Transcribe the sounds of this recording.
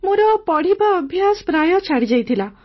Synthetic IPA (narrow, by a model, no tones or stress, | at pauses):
muɾɔpɔɽ̤ibaːbʱjasɔ̥pɾajɔt͡ʃʰaɽid͡ʒajt̪ʰila